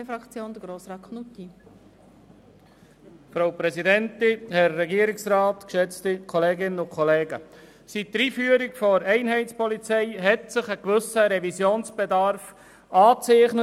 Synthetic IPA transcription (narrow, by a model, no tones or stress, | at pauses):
efɾɑkt͡sjoːnd̥̪əɡɾoːsɾɑːt̚kʰχnuti | fɾaʊpɾɛsidɛntɪhɛɾːɛɡiːɾɪksrɑːtkʃɛt͡st̪ikʰɔleːɡɪnəʊkʰχɔleːɡə | sit̚təɾiːfyːəɾikfɔɾɛɪnɦɛɪtt͡spɔlit͡sɛɪɦɛtsɪχəkʋʏsəɾɛvisjoːnsb̥edɑɾf | ɑːt͡sɛɪχnə